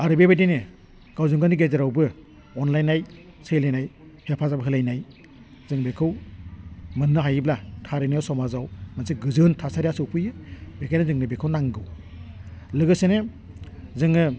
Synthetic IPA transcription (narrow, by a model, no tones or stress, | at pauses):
aɾɯbebajdenɯ | ɡ̥awzɯŋɡaniɡezeɾawbɯ | ɔnlajnaj | sɯjlajnajpʰepʰazabɯɦɯlajnaj | zɯŋbekʰɯw | mɯnːɯɦajiblatʰaɾenajawsɔmazawmanseɡɯzɯntʰasaɾijasɯwpʰɯjɯbekʰajnazɯŋnɯbekʰɯwnaŋɡɯw | lɯɡɯsenɯ | zɯŋɯ